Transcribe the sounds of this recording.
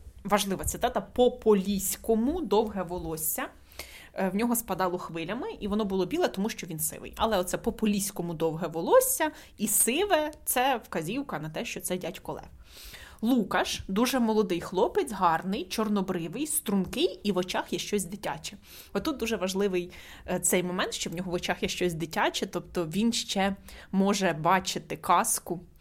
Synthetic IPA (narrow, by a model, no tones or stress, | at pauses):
ʋɐʒlˠɪʋɐt̪sɪt̪ɑt̪ɐpɔpɔlʲisʲkɔmʊd̪ɔwɦɛʋɔlˠɔsʲːɐ | wnʲɔɦɔspɐd̪ɑlˠɔxʋɪlʲɐmɪʔiʋɔnɔbʊlˠɔbʲilˠɛt̪ɔmuʃt͡ʃɔʋʲinsɪ̰ʋɪ̰jɐ̰lˠɛɔt̪sɛpɔpɔlʲisʲkɔmʊd̪ɔwɦɛʋɔlˠɔsʲːɐ | isɪʋɛt̪sɛwkɐzʲiwkɐnɐt̪ɛʃt͡ʃɔt̪sɛdʲatʲkɔlˠɛ̰w | lˠukɐʃd̪uʒɛmɔlˠɔd̪ɪjxlˠɔpɪt͡sʲɦɑrnɪjt͡ʃɔrnɔbɾɪʋɪjst̪ɾʊnkɪjiʋɔt͡ʃɑxjɛʃt͡ʃɔzʲd̪ɪtʲa̰t͡ʃɛ | ɔt̪ut̪̚d̪uʒɛʋɐʒlˠɪʋɪj | t̪sɛjmɔmɛnt̪ʃt͡ʃɔwnʲɔɦɔʋɔt͡ʃɑxjɛʃt͡ʃɔsʲd̪ɪtʲɑt͡ʃɛt̪ɔpt̪ɔʋʲinʃt͡ʃɛmɔʒɛbɑt͡ʃɪt̪ɪkɑskʊ